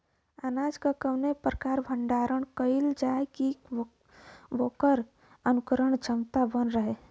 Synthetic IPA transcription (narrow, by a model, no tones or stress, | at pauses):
anaːd͡ʒkakəwnepɾəkaːɾbʱə̃ɳɖaːɾəɳ̃kəɪld͡ʒaeki | ʋokəɾ | ənʊkəɾəɽ̃t͡ʃəmt̪abənɾəɦeː